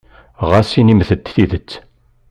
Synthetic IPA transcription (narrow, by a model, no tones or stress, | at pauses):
ʁasinimθət̪θiðət͡sː